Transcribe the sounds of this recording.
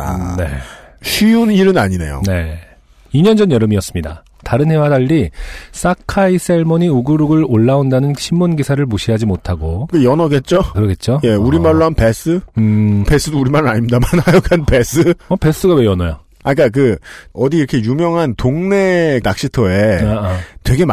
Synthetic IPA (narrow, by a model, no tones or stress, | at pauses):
ne̞̰ɕʰɥiuniɾɯnaɲine̞̰jo̰ne̞ | iɲʌnd͡ʑʌnjʌɾɯmiʌs͈ɯmɲida̰ | taɾɯnhe̞wadaʎːis͈akʰais͈eɭmoɲiuɡɯɾuɡɯɭoɭːaondanɯnɕʰimːunɡisʰaɾɯɭmuɕʰiɦad͡ʑimotʰaɡokɯjʌnʌɡe̞t̚t͡ɕ͈okɯɾʌɡe̞t̚t͡ɕ͈oje̞uɾimaɭːoɦamnpes͈ɯɯpes͈ɯdouɾimaɾɾaɲimɲidamanhajokʰanpe̞s͈ɯʌpe̞s͈ɯɡawe̞jʌnʌjo | aɲik͈ak̬ɯʌdiiɾʌkʰe̞jumjʌŋɦantoŋne̞nak̚ɕ͈itʰʌe̞atwe̞ɡe̞m